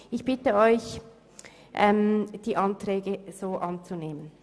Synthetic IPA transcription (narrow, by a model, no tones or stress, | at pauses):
ɪçb̥ɪtəɔʏç | ʔɛmd̥iːʔɑntʁɛːɡəz̥oːʔɑnt͡suneːmən